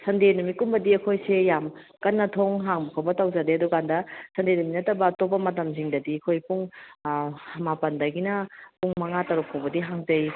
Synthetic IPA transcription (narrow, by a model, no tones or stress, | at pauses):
sʰɐndenumikumbɐdiɐkʰojsejam | kɐnːɐtʰoŋɦaŋbɐkʰawbɐtawzadeɐdukandɐsʰɐndenuminɐtːɐbɐːtobɐmɐtɐms̬iŋdɐdiɐkʰojpuŋ | mapɐndɐɡinɐpuŋmɐŋatɐɾukʰːobɐdiɦaŋzɐj